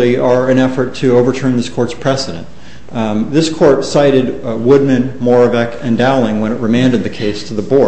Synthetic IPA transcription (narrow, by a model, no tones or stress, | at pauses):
iə˞ɨ̃nɛfə˞tʰɨoʊvə˞tʰɜ̃˞nðɪskʰɔɹtspʰɹ̥ɛsɨɾɨ̰̃n | ðɪskʰɔɹtsaɪɾɨd̚wʊd̚mɨ̃nmɔɹɨvɛkɨ̃ndæʊlˠɪ̃ŋwə̃ñɨʔ̚ɹɨmæ̃ndɨd̪̚ðɨkʰeɪstʰɨðəbɔ